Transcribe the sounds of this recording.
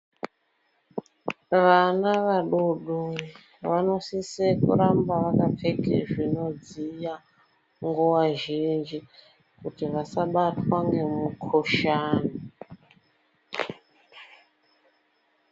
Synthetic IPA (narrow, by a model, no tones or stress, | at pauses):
ʋanaʋaɗuɗu | ʋano̞sisekṵɾambaʋakapp͡fekḛʐinod͡zija | ŋɡuwaʒind͡ʒi | kutiʋasaɓatwaŋɡe̞mukʰoʃaːna